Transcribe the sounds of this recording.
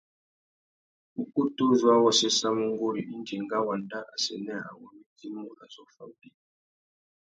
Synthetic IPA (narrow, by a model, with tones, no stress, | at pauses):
u˨ku˦tu˦zwa˦wɔ˦sɛ˦sa˦mu˦ŋ˦ɡo˦ɾi˨ʔi˦nti˨ŋɡa˦wa˨nda˦ʔa̰˨sɛ˨nɛ˦˨a̰˨wɔ˨mi˦ti˦mu˦la˨zɔ˦fa̰˨di˦